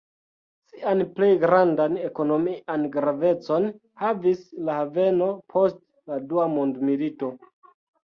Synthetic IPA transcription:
siʔanple̞jɡɾandane̞ko̞no̞miʔanɡɾave̞t͡so̞n | havislahave̞no̞pʰo̞st | laduamondmilito̞

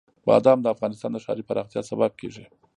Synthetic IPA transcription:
bɑ̰d̪ɑmd̪əafɣɑnɪst̪ɑnd̪əʃɑ̰ɾipaɾɑxt̪jɑsabab̚keʐi

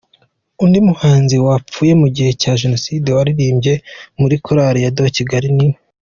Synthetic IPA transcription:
undimuhaːnziwap͡fuːje̞muɟihe̞caːʒe̞no̞sidewaɾiɾiːmbɟe̞muɾikʰoɾaːɾijadociɡaɾinime

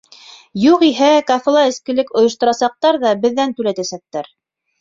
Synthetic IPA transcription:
juqiɦækɑfɤ̆lˠɑɘ̆skɘ̆lɘkŏjɤ̆ʃt̪ŏɾɑsɑq̚t̪ɑɾðɑbɘ̆ðːænt̪ʉlæt̪æsæk̚t̪æɾ

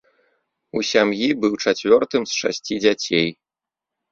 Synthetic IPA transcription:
usʲamjibɨwt͡ʂat͡sʲvʲɔrt̪ɨmsʂa̰sʲt͡sʲid͡zʲat͡sʲej

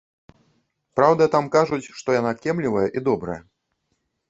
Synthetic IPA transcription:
pɾawd̪ɐt̪amkaʐut͡sʲʂt̪ɔjanakʲɛmlʲivɐjɐʔid̪ɔbɾɐjɛ

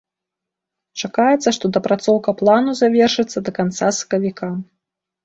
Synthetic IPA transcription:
t͡ʂakajɛt̪sːɐʂt̪ɔd̪ɐpɾat̪sɔwkɐplˠanuzavʲɛrʂɨt̪sːɐd̪ɐkant̪sasɐ̥kɐvʲikʰa

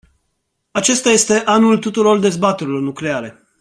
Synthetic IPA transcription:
at͡ʃe̞st̪aje̞st̪e̞ʔanult̪ut̪uɾo̞rd̪e̞zbat̪e̞ɾilo̞rnukle̞aɾe̞

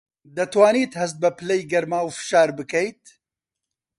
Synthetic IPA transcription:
d̪ɐt̪waːniːt̪hɐs̬t̪̚bɐpʰɨlɐjɡɐɾmaːwfɨ̥ʃaːɾbɨkɐjt̪̚

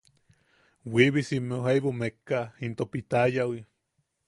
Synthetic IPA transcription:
wiβisimeuɦajβomekːaint̪opit̪ajawi

